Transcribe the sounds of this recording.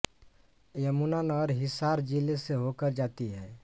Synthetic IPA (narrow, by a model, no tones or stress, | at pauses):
jəmunanɔːɾɦɪsaːɾd͡ʒileseɦoːkəɾd͡ʒaːt̪iɦɛː